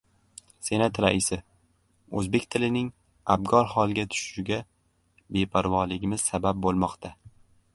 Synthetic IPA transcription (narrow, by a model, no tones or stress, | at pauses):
se̞nat̪ɾaʔɪsɪ | ɵzbe̞kʲt̪ʰɪlɪnɪŋ | ab̚ɡɒɾhɒlˠɡʲat̪ʰʊ̥ʃɪʃʊɡʲa | be̞pʰaɾvɒlɪɡʲɪmɪz̥sabap̚bolˠmɒqt̪ʰa